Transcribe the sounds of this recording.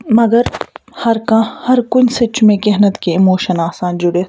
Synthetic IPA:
mɐɡəɾhɐɾkãhɐɾkʊnsɪt͡ʃmẽkɛɦnət̪keɪmoːʃənaːsãːnd͡ʒʊɽe

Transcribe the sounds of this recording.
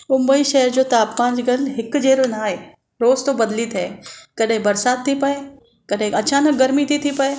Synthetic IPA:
mʊ̃mbəiʃɛəɾd͡ʑoːt̪aːpkãːd͡ʑɡɐlɦɪkd͡ʑeːɾonaːɦeː | ɾoːzt̪obɐd̪lit̪ʰɛːkɐɗɦĩbɐɾsaːt̪̚t̪ʰːipɐe | kɐɗɦɪ̃ɐt͡ɕaːnək̚ɡɐɾmit̪ʰit̪ʰipɐeː

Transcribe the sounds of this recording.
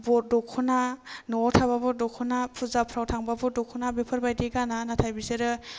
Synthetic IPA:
bɔɾ̚dɔkʰːɔnanɔtʰababɔɾ̚dɔkʰːɔnapʰuzapʰɾawtʰaŋbabɔdɔkʰɔnabepʰəɾbajdeɡananatʰajbiseɾɯ

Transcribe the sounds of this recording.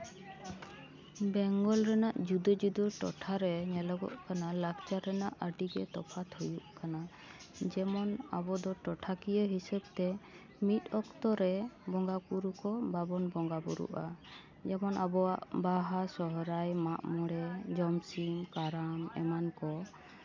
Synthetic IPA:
bɛŋɡɔlɾɛnaʔd͡ʒud̪ɔd͡ʒud̪ɔʈɔ̰ʈʰaɾɛnɛləɡɔ̰ʔkanalakt͡ʃaɾɛnaʔəɖiɡɛt̪ɔpʰat̪ʰhujuʔkana | d͡ʒɛmɔna̰bɔd̪ɔʈɔʈʰakijəɦisɛbt̪ɛ | mit̪̚ˀɔkt̪ɔɾɛbɔŋɡakuɾukɔbabɔnbɔŋɡabɔɾṵʔa̰ | d͡ʒɛmɔnabɔwaʔbaɦasɔɦɾajmaʔmɔɽɛd͡ʒɔmsiŋkaɾamɛ̰mankɔ

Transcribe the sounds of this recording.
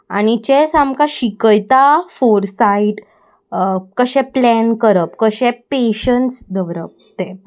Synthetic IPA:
aɽ̃it͡ɕɛsamkaɕikəjt̪afoɾsaiʈ | kəɕɛ̃plɛnkəɾəp̚kəɕɛpeɕənsd̪əʋɾəp̚ | t̪e

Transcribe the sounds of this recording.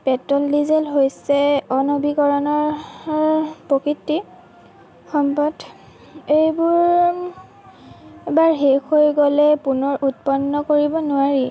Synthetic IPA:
pɛtɔldizɛlɦojsɛɔnobikɔɹɔnɔɹ | pɹokɹitːi | xɔmpɔd | ejbʊɹ | baɹɦexojɡɔlɛpunɔɹʔut̚pɔnːɔkoɹibɔnʊaɹi

